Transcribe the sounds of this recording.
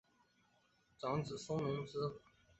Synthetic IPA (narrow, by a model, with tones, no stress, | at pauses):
ʈ͡ʂɑ˧˥ŋt͡sɹ̩˨˩sʊ˥ŋnʊ˧˥ŋt͡sɹ̩˥